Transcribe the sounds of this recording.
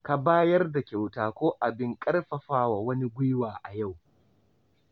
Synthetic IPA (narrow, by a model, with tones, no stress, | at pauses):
ka˨baː˦jɐ˦rda˨kʲa˨wtaː˦kʷoː˦ʔa˨bɪ˦ŋkʼɐ˦rɸɐ˨ɸaː˦wa˨wɐ˦ni˦ɡʷʊ˦waː˨ʔa˨ja˦˨w